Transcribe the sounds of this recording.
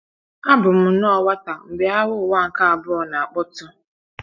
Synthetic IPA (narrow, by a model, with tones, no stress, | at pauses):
a˦bʊ˨m̩˦n˦ɔ˦˨wa˦ta˨m̩˨be˨a˦wʊ˦˨wa˦˨ŋ̩˨ka˦a˨bʊ˦ɔ˨na˨a˨k͡pɔ˦tʊ˦